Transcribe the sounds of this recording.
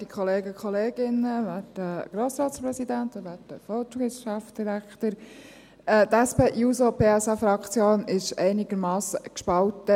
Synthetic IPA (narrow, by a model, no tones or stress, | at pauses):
d̥ikʰχɔleːɡəkχɔleːɡɪnəʋæːd̥əɡ̥ɾoːsɾɑːtspɾɛsidænt̪ɔʋæːdəfɔɡɪsʃafd̥iɾæktəɾ | ɛt̪ɛspeʔjuːsopʰeːɛsɑfɾɑkt͡sjoːnɪʃɛɪnɪɡ̥əɾmɑːsəkʃpɑltə